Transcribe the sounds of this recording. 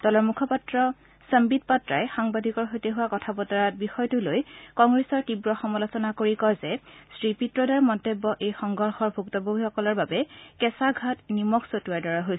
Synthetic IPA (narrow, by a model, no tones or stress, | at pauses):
d̥ɔlɔɹmukʰɔpatɹɔ | səmbit̚patɹa̰jxaŋbadʱikɔɹxojtɛɦuwakɔtʰabɔtaɹat̚bixɔjtʊlojkɔŋɡɹesɔɹtibɹɔxɔmɔlosɔnakoɹikɔjzɛsɹipitɹɔdaɹmɔntebːɔʔejxɔŋɡɔɹxɔɹbʱuktɔbobʱixɔkɔlɔɹbabɛkɛsaɡʱatnimɔksotuaɹdɔɹaɦojs